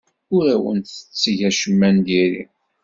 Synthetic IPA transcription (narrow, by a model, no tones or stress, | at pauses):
ʊɾæwə̰nt̪θə̥t͡sːʝæʃəmːænd̪iɾḭ